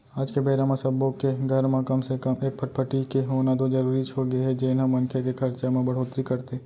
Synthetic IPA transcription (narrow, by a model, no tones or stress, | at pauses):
aːd͡ʒkebeːɾamãsɐbõkeɡʱɐɾmẽkɐmsekɐmeːk̚pʰɐʈpʰɐʈikeɦoːnat̪od͡ʒɐɾuːɾit͡ʃʰoɡɐeɦɛd͡ʒeːnɦɐmɐ̃nkʰekekʰɐɾt͡ʃamẽbɐɽ̤oːt̪ɾikɐɾt̪e